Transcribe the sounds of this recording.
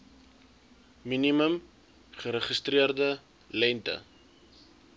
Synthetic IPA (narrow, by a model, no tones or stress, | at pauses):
miniməm | χəɾəχəst̪riərdə | lɛntə̰